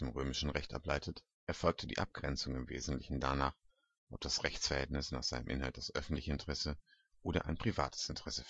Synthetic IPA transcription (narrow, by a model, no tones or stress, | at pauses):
eːmʁøːmɪʃn̩ʁɛçtʔa̰plaɪtʰət | ʔɛɐfɔlk̚tʰədḭːʔa̰p̚ɡ̥ʁɛnt͡sʊŋɪmvḛːzn̩tlɪçn̩danaːχ | ʔɔp̚d̥asʁɛçt͡sfɛɐhɛltnɪsnaːχz̥aɪnəmʔɪ̰nhalt̚d̥asʔœfn̩tlɪçəɪntəʁɛsə | ʔoːɾɐ̰ʔa̰ɪnpʁ̥iva̰ːtʰə̥sɪntəʁɛsə